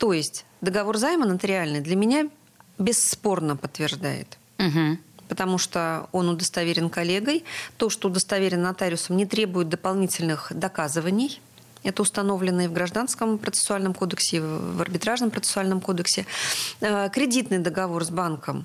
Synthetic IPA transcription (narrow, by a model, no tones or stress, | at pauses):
t̪ojɪsʲtʲ | d̪əɡɐvo̞rzajɪmənət̪əɾʲɪalʲnɨjd̪lʲəmʲɪnʲa | bʲɪsːpo̞rnəpət̪ːvʲɪrʐd̪a̰jɪ̰t̪̩ | ɦ̩pət̪ɐmuʂt̪oonʊd̪əst̪ɐvʲeɾʲɪnkɐlʲe̞ɡəjt̪o̞ʂt̪oːʊd̪əst̪ɐvʲeɾʲɪnːɐt̪aɾʲɪʊsəmnʲɪt̪ɾʲe̞bʊjɪt̪̚d̪əpɐlˠnʲitʲɪlʲnɨxd̪ɐkazɨvənʲɪj | ɛt̪əʊst̪ɐno̞vlʲɪnːəjəvɡɾɐʐd̪anskəmpɾət̪sɨ̥sʊalʲnəmko̞d̪əksʲɪvɐrbʲɪt̪ɾaʐnəmpɾət̪sɨ̥sʊalʲnəmko̞d̪əksʲɪəkɾʲɪdʲit̪nɨjd̪əɡɐvo̞rzbankəm